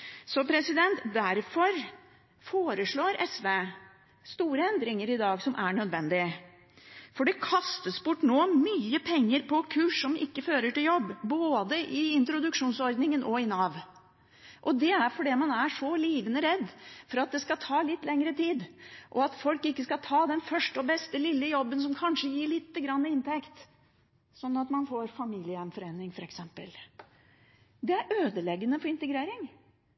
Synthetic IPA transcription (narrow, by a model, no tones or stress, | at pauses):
sɔpʰɾɛsɪd̪ɛnt̪d̪æɾfɔɾ | foːɾəʂɭoːɾɛsʋeː | st̪uːɾəɛnd̪ɾɪŋəɾɪd̪ɑːɡsɔmʔæɳœd̪ʋɛnd̪ɪə | fɔɖɛkʰɑst̪əsbʊʈːnoːmyːəpʰɛŋːəɾpʰɔkʰʉːʂːɔmɪkːəføːɾəʈɪljɔbːboːd̪əʔɪɪnt̪ɾʊd̪ʉkʂuːnsɔɾd̪nɪŋənʔɔɪnɑːʋ | ʔɔd̪ɛæɾfɔɖɛːmɑnæʂɔliːʋənəɾɛd̪ːfɔɾɑt̪̚d̪ɛskɑt̪ʰɑːlɪt̪ːlɛŋɾət̪ʰiːd̪ʔɔɑt̪fɔlkɪkːəskɑt̪ʰɑːd̪ɛnfœʂʈəɔbɛst̪əlɪlːəjɔbːəns̬ɔmkʰɑnʂəjiːɭɪt̪ːəɡɾɑnːəɪnt̪ʰɛkt̪ | sɔnːɑt̪mɑnfɔɾfɑmiːlɪəɛmfɔɾeːnːɪŋfɔɾɛksɛmpə̰l | d̪ɛæɾʔøːd̪əlɛɡːənəfɔɾɪnt̪əɡɾeːɾɪŋ